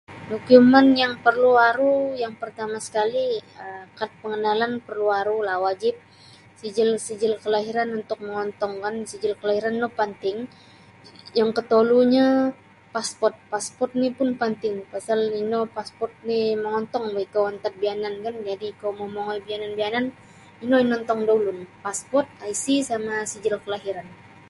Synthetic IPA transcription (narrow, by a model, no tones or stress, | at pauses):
dokumanjaŋpərluaɾujaŋpərt̪amasə̥kaliəmkat̪̚pəŋənalanpərluaɾulahwad͡ʒɪp̚ | sid͡ʒɪlsid͡ʒɪlkəlaɦiɾanunt̪ʊk̚məŋɔnt̪ɔŋkansid͡ʒɪlkəlahiɾanːɔpənt̪ɪŋ | jaŋkət̪oluɲa | paspɔrt̪̚paspɔrt̪̚nipʊnpənt̪ɪŋpasalinopaspɔrt̪̚niməŋɔnt̪ɔŋbaikawant̪at̪̚bianankand͡ʒadikaomomoŋɔjbiananbianan | inoinɔnt̪ɔŋdaulʊnpaspɔrt̪̚aisisamasid͡ʒɪlkəlaɦiɾan